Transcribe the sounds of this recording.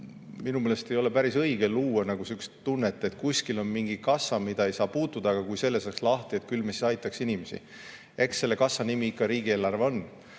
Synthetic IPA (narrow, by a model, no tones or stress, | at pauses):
minumele̞st̪e̞jo̞le̞pæɾisɤ̞jɡ̥eluːɑnɑɡ̥usykst̪unːet̪ːˑe̞t̪kusʲkilo̞nmiŋɡ̥ikɑsːɑmid̪̥ɑe̞jsɑːpuːt̪ːˑud̪̥ɑɡ̥ɑkujse̞lːe̞sɑkslɑht̪iet̪̚kylmesi̥sɑjt̪ːˑɑksinimesḭ | e̞ksːe̞lːe̞kɑsːɑnimiikːɑɾiːɡ̥ie̞ːlːɑrveo̞n